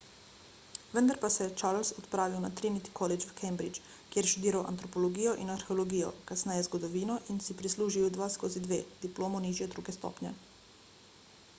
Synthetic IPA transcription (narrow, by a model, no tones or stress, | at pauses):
ʋənd̪aɾpasɛt͡ʃaɾlsɔt̪pɾaːʋiwnat̪ɾinit̪i̥kʰɔlɛt͡ʃʋkʰɛjmbɾit͡ʃ | kjeɾʃt̪ud̪iːɾawʔa̰nt̪ɾɔpɔlɔɡiːjɔʔinaɾxɛolɔɡiːjɔ̰kasnɛjɛzɡɔd̪ɔʋiːnɔʔinsipɾisluːʒiud̪ʋaskoːzid̪ʋeːd̪̥iploːmɔniːʒjɛd̪ɾuːɡɛst̪ɔ̰ːpɲɛ̰